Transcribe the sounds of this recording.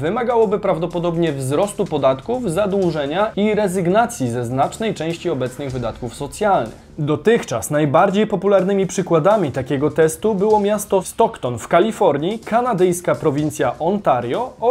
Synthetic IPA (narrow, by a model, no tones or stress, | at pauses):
vɘmaɡawɔbɘpɾavd̪ɔpɔd̪ɔbɲɛvzɾɔst̪upɔd̪at̪kuvzad̪wuʐɛɲaiɾɛzɘɡnat̪sʲjizɛznat͡ʂnɛjt͡ʂɛ̃w̃ɕt͡ɕiɔbɛt̪snɘɣvɘd̪at̪kufsɔt̪sʲjalnɘ̰xd̪ɔt̪ɘxt͡ʂa̰snajbaɾd͡ʑejpɔpulaɾnɘmʲipʂɘkwad̪amʲit̪akʲɛɡɔt̪ɛst̪ubɘwɔmʲjast̪ɔst̪ɔkt̪ɔnfkalʲifɔɾɲikanad̪ɛjskapɾɔvʲint̪sʲjaʔɔnt̪aɾjɔ